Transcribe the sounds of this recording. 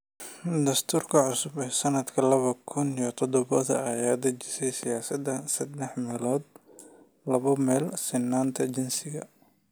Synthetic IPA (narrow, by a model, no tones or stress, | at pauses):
d̪ɐst̪ʰuːrkʰɐʕʊsʊbɛːsɐnɐd̪kʰɐlɐβɐkʰʊnjt̪ʰɔd̪ɔβɐðɐ̰ɑjaːd̪ɐt͡ʃɪsɛjsɪjaːsɐd̪ɐsɐd̪ɛħmɛlɔːd̪ | lɐβɐmɛːlsɪnːaːnt̪ʰɐt͡ʃɪnsɪɣɐ̰